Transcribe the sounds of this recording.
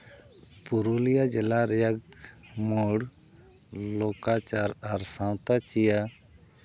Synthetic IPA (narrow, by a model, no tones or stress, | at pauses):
puɾulijad͡ʒɛlaɾɛjaɡmuɔɽ | lɔkat͡ʃaɾaɾsãwt̪at͡ʃija